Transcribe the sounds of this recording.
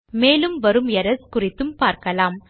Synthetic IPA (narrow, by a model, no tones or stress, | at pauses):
meːlɯmʋɐɾɯmɛɾɐskʊrɪt̪ːɯmpaːɾkɐlaːm